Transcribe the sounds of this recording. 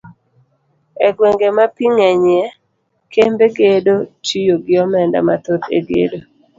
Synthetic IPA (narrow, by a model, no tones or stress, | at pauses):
ɛɡweŋɡemapiŋaɲjɛ | kembekedot͡ʃijoɡɪɔmɛnda̰mat̪ot̪ḛdjḛdo